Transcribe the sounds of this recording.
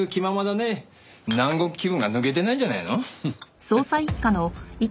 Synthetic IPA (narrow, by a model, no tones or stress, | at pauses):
ɯkʲimamad̪ane | nãŋɡo̥kʲibɯ̟̃ŋɡanɯ̟ɡe̞t̪e̞naiɲd͡ʑanainosoːsaikːanoi